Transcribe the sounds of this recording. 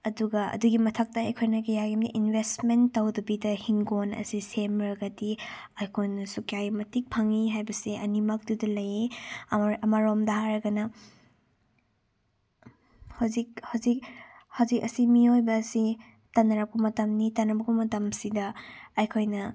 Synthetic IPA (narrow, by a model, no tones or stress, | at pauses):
ɐduɡɐɐ̰duɡimɐtʰɐk̚tɐɐjkʰojnɐɡejaɡimdiʔinbʱestmentːɐwdɐbidɐhiŋɡonɐ̰sisemɾɐɡɐtiɐjkʰojnɐsukjajmɐtik̚pʰɐŋiɦajbɐsiɐnimɐk̚dudɐlɐje | ɐmaɾomdɐhaɾɐɡɐnɐ | hɐwzik̚hɐwzik̚hɐwzikɐsimiojbɐːsi | tɐnɐɾɐp̚kumɐtɐmnitɐnɐbɐkumɐtɐmsidɐːjkʰojnɐ